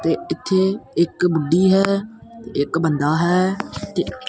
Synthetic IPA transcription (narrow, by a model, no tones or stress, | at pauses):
t̪eːɪt̪ʰːeːɪkbʊɖiːɦɛːt̪eɪkbənd̪aːɦɛːt̪eː